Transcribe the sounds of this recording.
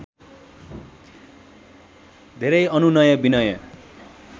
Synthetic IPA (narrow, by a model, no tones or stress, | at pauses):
d̪ʱeɾʌjʌnunʌjʌbinʌjʌ̰